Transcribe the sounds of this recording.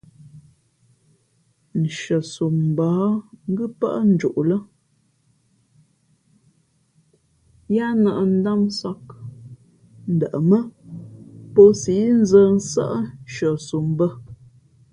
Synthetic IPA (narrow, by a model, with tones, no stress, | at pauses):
n̩˨ʃə˨su˨m˨baː˨˦ŋ̩˦ɡɨ˦pə̰˦ʔə˦n̩˦d͡ʒu˨ʔlə˦ | ja˦nə˨ʔə˨n̩˦da˦m˦sa˦k̚ | n̩˨də˨ʔə˨mə˦ | pə˦si˨˦n̩˦zə˦n̩˦sə̰˦ʔə˦n˨ʃə˨su˨mbə˦